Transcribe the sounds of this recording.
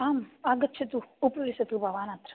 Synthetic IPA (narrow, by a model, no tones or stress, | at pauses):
aːmaːɡɐt̪ːʃʰɐt̪uːpɐʋisɐt̪ubʱɐʋaːnɐt̪ɾɐ̥